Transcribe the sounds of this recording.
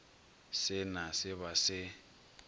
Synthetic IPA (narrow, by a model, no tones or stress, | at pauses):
sɪnasɪβasɪ